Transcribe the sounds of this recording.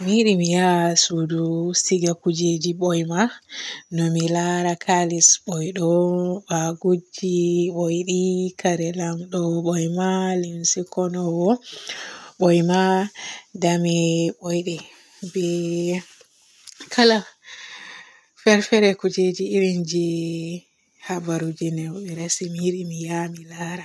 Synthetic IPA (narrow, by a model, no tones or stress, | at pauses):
miɗimijasudusiɡakud͡ʒed͡ʒiɓɔjmanɔmilaɾakʰalisɓɔjɗɔbaɡud͡ʒiɓɔjɗikaɾɛlamɗɔɓɔjmalimsikɔnɔwɔ | ɓɔjma | damibɔjɗɛ | bɛ | kʰala | fɛɾfɛɾɛkud͡ʒed͡ʒiːɾind͡ʒi | habaɾud͡ʒinɛwɔbɛɾasimiiɗimijamilaɾa